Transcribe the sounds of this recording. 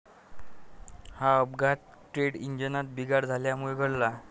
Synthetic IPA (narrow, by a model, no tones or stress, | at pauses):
haəbɡat̪̚ | ʈɾeɽiɲd͡ʑənat̪̚biɡaɽd͡zʱaljamuɭeɡʱəɽla